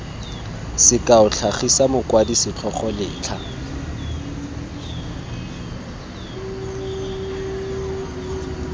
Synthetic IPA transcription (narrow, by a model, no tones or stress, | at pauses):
sɪkʼaʊt͡ɬʰaχisamʊkwadisɪt͡ɬʰɔχɔlɪːt͡ɬʰa